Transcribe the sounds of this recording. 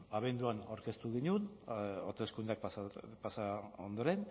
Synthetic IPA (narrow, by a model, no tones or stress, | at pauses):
aβe̞nd̪uanawɾke̞st̪uɣiɲunot̪eskund̪eak̚paspasao̞nd̪o̞ɾe̞n